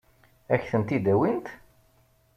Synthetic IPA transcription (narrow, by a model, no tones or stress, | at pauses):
æçθənt̪id̪æwint̪